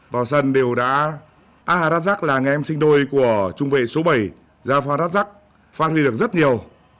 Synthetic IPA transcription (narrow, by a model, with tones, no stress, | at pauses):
vaː˨˩wsə˧nɗe˨˩wɗa̰ː˧˥ | ʔaː˧haː˨˩ɾa˦˥t̚za˦˥k̚laː˨˩ŋɛ˨˩ʔɛ˧msï˧ŋ̟ɗo˧jku˧˩ət͡ɕʊ˧ŋ͡mvḛ˧˨so˨˦ɓə˧˩j | zaː˧faː˧nɾaː˦˥t̚za˦˥k̚ | faː˦˥t̚hwi˧ɗɨ˨˩ək̚zə˦˥t̚ɲi˨˩əw